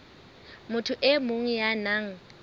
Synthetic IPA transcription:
mʊtʰʊʔɪmoŋ̩janaŋ̩

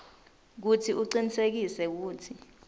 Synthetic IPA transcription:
k̬utʰiʔuǀinisek̬isɛk̬uːtʰi

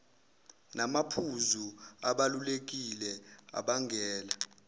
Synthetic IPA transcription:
namapʰuzuaɓalulek̬ʼilɛa̰ɓaŋʱɛːla

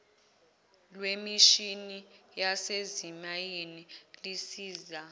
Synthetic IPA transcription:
lwemiʃinijasezimajenilisiːza

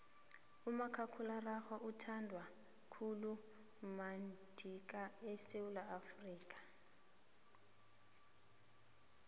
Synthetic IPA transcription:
umakʰakʰularaxaʔutʰandʱwa | kʰulu | mand̥ʱik̬ʼaɛsewulaːfriːkʼḁ

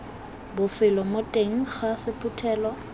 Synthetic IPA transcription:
bʊfɪlɔmotʼeŋ̩χasɪpʰʊtʰɛːlɔ

